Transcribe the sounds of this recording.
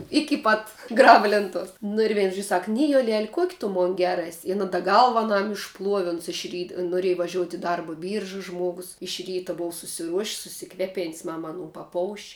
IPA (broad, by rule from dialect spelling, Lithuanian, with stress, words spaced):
ˈɪkʲɪ pɐt ˈɡrɑːbɐ lʲeːnˈtuɔs nʊ ɪr ˈʋʲɛɪn ʒoːʃʲ ˈsɐk ˈnʲɪjoːlʲɛlʲ ˈkuɔkʲ tʊ ˈmoːn ˈɡʲɛr ˈɛsʲ ɪn ɐ dɐ ˈɡɐlˠʋɐ ɐˈnɐm ɪʃˈplˠuɔʋʲɪ ˈʊns ɪʃ ˈrʲiːt noːˈrʲeːj ʋɐˈʒʲoːʊtʲ ɪ ˈdɐrbɐ ˈbʲiːrʒɐ ˈʒmuɔɡʊs ɪʃ ˈrʲiːtɐ ˈboːʋɐ sʊsʲɪˈruɔʃʲsʲ sʊsʲɪˈkʋʲæːpʲeːnʲsʲ ˈmɐm ɐˈnuː pɐˈpoːʊʃʲ